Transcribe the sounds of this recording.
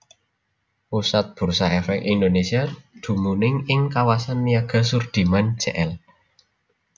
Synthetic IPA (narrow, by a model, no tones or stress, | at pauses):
ʔusat̪̚b̥ṳrsaɛfɛkind̪onesiad̪̥ṳmunɪŋɪŋkawasanːiaɡ̥a̤surd̪̥i̤man̥d͡ʒ̥ɛʔɛl